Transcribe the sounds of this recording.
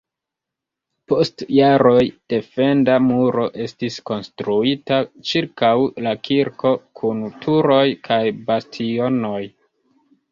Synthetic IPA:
po̞stjaɾo̞jd̥e̞fe̞ndamuɾo̞ʔe̞stisko̞nstɾuitat͡ʃiɾkawlakʰiɾkʰo̞kʰuntʰuɾo̞jkʰajbastʰio̞no̞j

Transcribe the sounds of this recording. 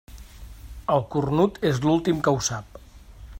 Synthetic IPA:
əlˠkurnut̪ezlulˠt̪imkəwsap̚

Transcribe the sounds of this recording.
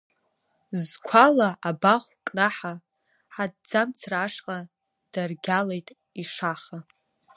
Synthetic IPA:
zkʷʰalaʔabaχʷkʼnaħa | ħad̚d͡zamt͡sʰraːʂqʼa | d̥arɡʲalejtʼ | iʂaχa

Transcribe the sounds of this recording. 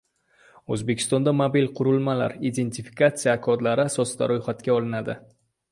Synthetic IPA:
ɵzbekʲʰɪ̥st̪ɒnd̪amabilqʰʊɾʊlˠmala̰ɾid̪e̞nt̪ʰifi̥kat̪sɨjakʰɒd̪laɾɪasɒsɪd̪a̰ɾojχat̪kʲaɒlˠɪnad̪ɪ

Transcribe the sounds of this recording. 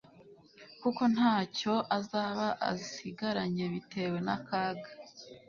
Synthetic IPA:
kuko̞n̥haːco̞ʔazaːβaʔa̰zisiɡaɾaɲe̞βitʰe̞we̞nakaːɡa

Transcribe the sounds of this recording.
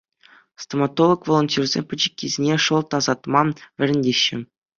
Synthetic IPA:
st̪omɑt̪olˠŏkvolˠonʲtʲurʲzʲḛmʲpʲɘ̆d͡ʑɘ̥̆kʲːizʲenʲeʂɤ̆lˠt̪ɑzɑt̪mɑʋʲɘ̆ɾʲɘ̆nʲdʲeɕːɘ̆

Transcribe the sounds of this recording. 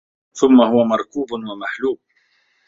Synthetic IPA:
θʊmːahʊwamɑɾˤkuːbʊnwamaħluːb̚

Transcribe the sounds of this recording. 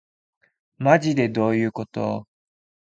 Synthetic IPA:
maʑid̪e̞d̪o̞ːjɯ̟ːko̞t̪o̞̰

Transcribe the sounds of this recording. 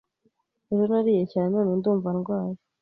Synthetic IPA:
eɾonaɾiːjecaːnnanunduːɱvanɡwaːji

